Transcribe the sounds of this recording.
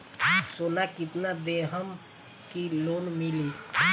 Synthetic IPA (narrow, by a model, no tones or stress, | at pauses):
soːnakɪt̪nad̪eɦəm | kiloːnmɪli